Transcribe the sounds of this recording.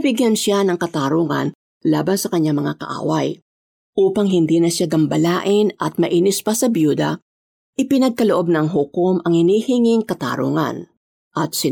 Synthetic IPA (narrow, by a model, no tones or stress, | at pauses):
bɪɡjanʃanɐŋkɐt̪aɾuŋɐ̰n | la̰ːbɐnsɐkɐɲːaŋmɐŋakɐ̰ʔa̰ːwɐ̰j | ʔuːpɐŋɦɪnd̪iːnɐʃaɡɐmbɐlaːʔɪnɐt̪̚mɐʔiːnɪspɐsɐbjuːd̪ɐ | ʔɪpɪnɐɡ̚kɐloʔo̞b̚nɐŋɦʊkomʔɐŋhɪnihɪŋɪŋkɐt̪a̰ːɾṵːŋɐ̰n | ʔɐt̪̚sɪ